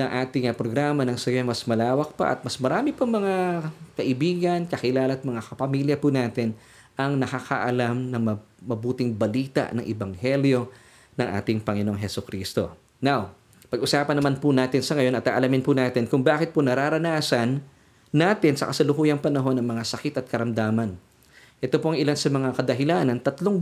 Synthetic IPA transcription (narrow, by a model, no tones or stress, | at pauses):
nɐŋʔaːt̪ɪŋɐpɾoɡɾaːmɐnɐŋsɐjomɐsmɐlaːwɐk̚pɐ̰ʔɐ̰t̪̚mɐsmɐɾaːmɪpʊŋmɐŋakɐʔɪbiːɡɐnkɐkɪlaːlɐt̪̚mɐŋakɐpɐmiːljɐpʊnaːt̪ɪn | ʔɐŋnɐkakɐ̰ʔɐlamnɐŋmɐ | mɐbuːt̪ɪŋbɐliːt̪ɐ̰ʔnɐŋʔɪbɐŋhɛljo̞ | nɐŋʔa̰ːt̪ɪŋpɐŋɪno̞ŋɦɛsʊkɾiːst̪o̞ | naw | pɐɡʔʊsaːpɐnːɐmanpʊnaːt̪ɪnsɐŋɐjo̞nɐt̪ʔaʔɐlɐmɪnpʊnaːt̪ɪnkʊŋbaːkɪt̪̚pʊnɐɾaːɾɐnaːsɐnː | aːt̪ɪnsɐ̰kɐsɐlʊkuːjɐŋpɐnɐɦo̞nɐŋmɐŋasɐkɪt̪ɐt̪̚kɐɾɐmd̪aːmɐn | ʔɛt̪opoʔɐŋʔɪlansɐmɐŋakɐd̪ɐɦɪlaːnɐnt̪ɐt̪loŋ